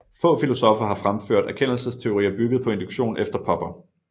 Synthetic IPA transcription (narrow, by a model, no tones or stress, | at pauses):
fɔ̰̽ːfilo̝sɒ̽fɐɦɑ̈fʁamfø̰ɐ̰d̥æɐkʰen̰l̩səst͡sʰe̝o̝ʁḭːɐb̥yɡ̥ð̩ˠpʰɒ̽e̝nd̥uɡ̥ɕo̝̰ːnefd̥ɐpʰɒ̽b̥ɐ